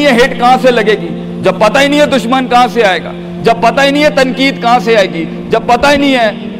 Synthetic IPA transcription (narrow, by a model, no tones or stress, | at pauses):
ĩɦɛɦɪʈkɐɦãselɐɡeːɡiː | d͡ʒɐb̚pɐt̪ainɐĩɦɛd̪ʊʃmənkɐɦãseaːeːɡa̰ː | d͡ʒɐb̚pɐt̪ainɐ̃ɦĩɦɛt̪ɐnkiːd̪kɐɦãseaːeːɡiː | d͡ʒɐb̚pːɐt̪ainɐ̃ĩɦɛː